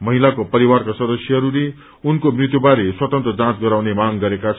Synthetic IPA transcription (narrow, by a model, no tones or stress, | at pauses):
mʌɦilakopʌɾiwarkasʌd̪ʌsjʌɦʌɾule | unkobrit̪jubaɾeswʌt̪ʌnt̪rʌd͡zãt͡sɡʌɾawnemaŋɡʌɾekat͡sʰ